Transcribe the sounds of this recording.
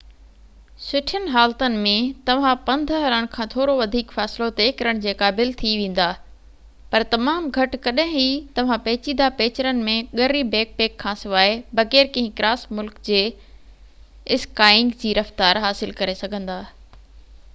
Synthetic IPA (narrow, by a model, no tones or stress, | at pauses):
sʊʈʰənɪ̆ɦaːlt̪ənɪ̆mẽt̪ɐʋ̤ãpɐ̃nd̪ʱəɦɐɾəɽ̃kʰãːt̪ʰoːɾoʋɐd̪ʱiːkfɛːsɪlot̪ekɐɾəɽ̃d͡ʑeːkaːbɪlt̪ʰiʋẽːn̆d̪aː | pɐɾt̪ɐmaːmɡʱɐʈkɐɗɦɪ̃ɦit̪ɐʋ̤ãpɐːt͡ɕĩd̪apeːt͡ɕɾənɪ̆mẽɠɐɾibeːk̚peːkʰːãːsɪʋaːebɐɣeːɾkɐ̃ɦɪ̃kɾaːsmʊlkd͡ʑeː | ɪskaːɪ̃ŋɡd͡ʑiːɾɐft̪aːɾɦaːsɪlkɐɾesɐɡʱə̃nd̪aː